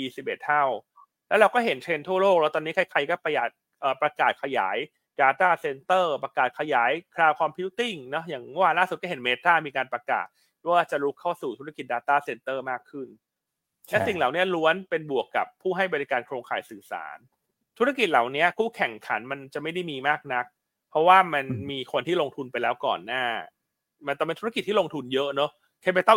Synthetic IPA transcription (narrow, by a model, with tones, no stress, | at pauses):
iː˧si˨˩p̚ʔe˨˩t̪̚ʰːa˥˩w | lɛ˦˥ɾa˧wkɔː˥˩ɦe˩˦nt͡ɕʰe˧nt̪ʰu˥˩ɐloː˥˩k̚lɛ˦˥t̪ɔː˧ni˦˥kʰa˧˥˩jkʰa˧jkɔː˥˩pa˧jaː˨˩k̚ | ʔəː˨˩pɾa˧kaː˨˩t̪̚kʰa˧ja̰ː˩˦j | daː˧t̪aː˥˩se˧nt̪ɤː˥˩pɾa˧kaː˨˩t̪̚kʰa˧jaː˩˦jkʰɾaː˧wkʰaː˧mpʰi˧˦˥wt̪i˥˩ŋnɔ˦˥jaː˨˩ŋmɔ˥˩waː˧laː˥˩su˨t̪̚kɔː˥˩ɦe˩˦nmeː˦˥t̪aː˥˩miː˧kaː˧npɾa˧ka̰ː˨˩t̪̚ | waː˥˩t͡ɕa˨˩ɾu˦˥kʰːa˥˩wsuː˨˩t̪ʰu˦˥a˧ki˨˩t̪̚daː˧t̪aː˥˩se˧nt̪ɤː˥˩maː˥˩kʰːɯ˥˩n | lɛ˦˥si˨˩ŋlaː˨˩wni˦˥ɐlu˦˥ənpe˧nbu˨˩əkːa˨˩pʰːuː˥˩ɦa˥˩jba˧ɾi˧˥kaː˧nkʰɾoː˧ŋkʰaː˩jsɯː˨˩sa̰ː˩˦n | t̪ʰu˦˥a˥˩ki˨˩t̪̚laː˨˩wni˦˥ɐkʰuː˥˩kʰɛ˨˩ŋkʰa˩˦nma˧nt͡ɕa˨˩ma˥˩jda˥˩jmiː˧maː˥˩k̚na˦˥k̚ | pʰɾɔ˦˥waː˥˩ma˧nmiː˧kʰo˧nt̪ʰiː˥˩lo˧ŋt̪ʰu˧npa˧jlɛː˦˥wkɔ̰ː˨˩nːaː˥˩ | ma˧nt̪ɔ˨˩pe˧t̪ʰki˩t̪ʰːiː˥˩o˧ŋt̪ʰu˧njɤ˦˥ʔnɔ˦˥ | kʰa˧˥mpa˧jt̪a˥˩